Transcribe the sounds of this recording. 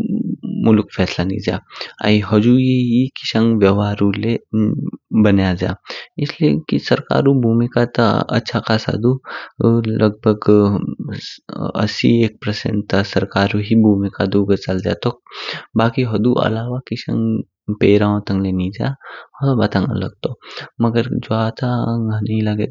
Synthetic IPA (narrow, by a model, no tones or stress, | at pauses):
mʊlkfʰɛːslanḭd͡ʒa̰ːa̰iɦɐd͡ʒuːjeɦikɪ̥ʃə̃ŋɡʋjəʋaːɾule | bɐnjad͡ʒa̰ːɪsliekisɐɾka̰ːɾubʱuːmikat̪a̰ɐ̰tːʃʰakaːsa̰d̪u | lɐɡ̚bʱəɡ | ɐ̰sḭeːk̚pɾəsḛ̃nʈt̪asɐɾkaːɾuɦibʱuːmikad̪uɡət͡ʃald̪ja̰t̪obaːkiɦɐd̪uʔɐ̰laːʋakɪʃə̰̃ŋɡ | peːɾãõt̪ɐ̃ŋɡlenid͡ʒaabat̪ãŋ̰lə̰ɡ̚t̪omɐɡəɾd͡ʒoat̪ʰaɡaːneilaɡe